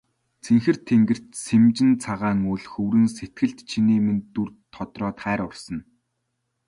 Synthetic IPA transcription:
t͡sʰeŋxɘ̆r̥t̪ʰeŋɡɘ̆r̥t̪semt͡ɕɪ̆nt͡sʰaʁaːŋuːɮxɵwɾɘ̆nset̪̚ɡɘ̆ɮt̪t͡ɕʰiniːment̪ːurt̪ʰːɔt̪rɔːt̪χæːɾʊrsɞ̆n

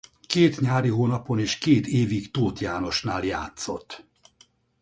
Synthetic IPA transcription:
keːt̪ɲaːɾiɦoːnɒpo̞niːʃkeːt̪eːvikt̪oːt̪jaːno̞ʃnaːljaːt̪so̞t̪ː

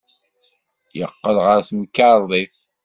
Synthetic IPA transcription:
jə̰qːəlʁəɾθmkːaɾˤðˤiθ

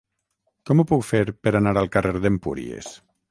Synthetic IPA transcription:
kɔmupukfeɾpeɾanaɾalˠkareɾðempṵɾḭḛs

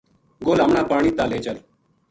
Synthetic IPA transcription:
ɡoːləmɳaːpaːɽ̃iːt̪aːleːt͡ʃəl

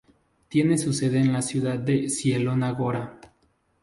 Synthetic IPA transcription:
t̪jenesuseðeːnlasjuðad̪̚d̪esjelonaɣoɾa

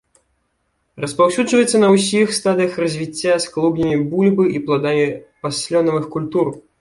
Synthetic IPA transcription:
rɐspawsʲudd͡ʐʐvɐjɛt̪sːɐnɐwsʲixst̪ad̪ɨjɐxrɐzʲvʲit͡sʲːasklˠuɡnʲɐmʲibulʲbɨʔiplˠad̪amʲipasʲlʲɔnɐvɨxkulʲt̪ur

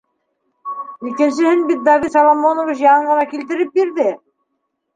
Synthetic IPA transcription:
ikɘ̆ns̬ɘ̆hɘnbit̪̚d̪ɑvisɑlˠɑmːonŏviʃjɑɤɴʁɤ̆nɑkilt̪ɘ̆ɾɘp̚biɾðɘ

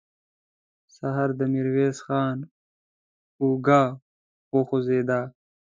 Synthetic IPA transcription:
sɐɦɐɾd̪ɐmiɾweːsxaːn | uːɡaː | oːxozeːd̪aː

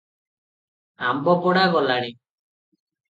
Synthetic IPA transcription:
ambɔpɔɽaɡɔlaɽi

